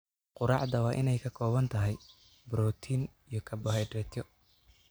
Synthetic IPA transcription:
qʊɾɑ̰ʕd̪ɐwɑːʔɪnɛjkʰɐkʰɔːβɐnt̪ʰɐɦɛj | bɾɔːt̪ʰiːn | ijɞkʰɐbɔɦɛjdɾɛt̪ʰjɔ

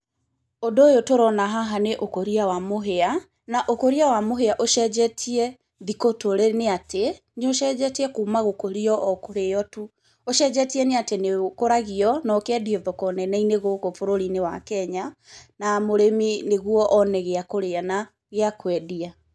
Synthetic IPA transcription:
odojotoɾɔnaɦaɦaneʔokoɾiawamoɦea | naʔokoɾiawamoɦeaʔoʃɛd͡ʒɛtʰiɛ | ðikotoɾeneatʰe | noʃɛd͡ʒɛtiɛkuːmaɣokoɾiɔʔɔkoɾejɔtu | oʃɛd͡ʒɛtiɛneatenekoɾaɣiɔnɔkɛdiɔðɔkɔnɛnɛineɣoɣofoɾoɾinewa̰kɛɲanamoɾemineɣwɔʔɔnɛɣeakoɾeana | ɣeakwɛdia

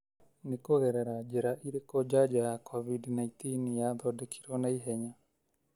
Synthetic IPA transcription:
nekoɣɛɾɛɾad͡ʒɛɾaʔiɾekɔd͡ʒad͡ʒakʰɔβidnait̪injaðɔdekʰi̥ɾɔnaiɦɛɲa

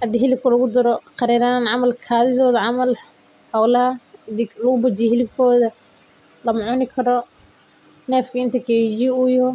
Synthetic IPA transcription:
ʔɐd̪ɪɦɪlɪb̚kʰɐlɐɣʊd̪ɐɾɔqɑɾɛːɾaːnʕɑmɐlkʰaːðɪðɔːðɐʕɑmɐl | hɑwlɐɦɐɪðɪlɐɣʊbɐt͡ʃɪjhɪlɪb̚kʰɔːðɐ | lɐmʊʕʊnɪkʰɐɾɔ | nɛːfkʰɐɪnt̪ʰɐkʰɛd͡ʒiʊjhɔ

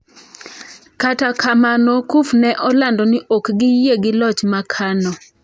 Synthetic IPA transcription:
katakʰamanɔkufnɛʔɔlandɔnɪʔokɡɪjeɡɪlɔt͡ʃmakʰanɔ

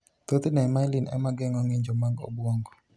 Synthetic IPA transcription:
t̪ot̪inɛmajlinɛ̰maɡɪŋɔŋiɲd͡ʒɔmaɡo̰bwɔŋɡɔ

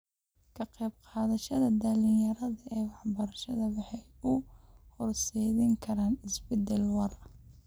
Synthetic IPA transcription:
kʰɐqɛjbqɑːðɐʃɐðɐd̪ɐlɪjɐɾɐðɐʔɛːwɑħbɐɾɐʃɐðɐwɑħɑjʊhɔrsɛːðɪŋkʰɐɾaːnɪsbɛd̪ɛlwɑr

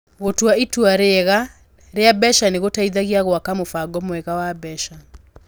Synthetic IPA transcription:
ɣotwaitwaɾeɣa | ɾeabɛʃaneɣotaiðaɣiaɣwakamofaɡɔmoɛɣawabɛʃa

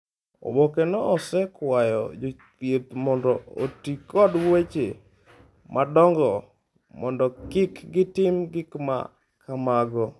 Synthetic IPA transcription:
o̰wokenɔɔsɛkwajɔ̰d͡ʒo | tjet̪mɔndɔo̰tikɔdwet͡ʃe | mʔadɔŋɡɔ | mɔndɔkɪkɡɪtɪmɡɪkma̰ | kʰamaɡɔ

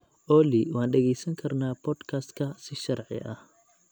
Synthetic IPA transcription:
ʔɔːlɪwɑːnɖɛɣɛjsɐŋkʰɐrnaːpʰɔːd̪kʰaːst̪kʰɐsɪʃɑrʕɪ̰ʔɐh

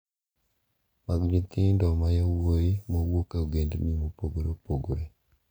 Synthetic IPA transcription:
maɡd͡ʒit̪ɪndɔmajawojimowokeoɡendnimopoɡoɾopoɡoɾe

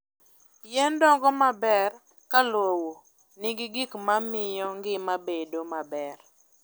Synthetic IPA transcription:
jɛndɔŋɡɔmabɛr | kalwowo | nɪɡɪɡikmamɪjɔŋɡɪmabedomabɛr

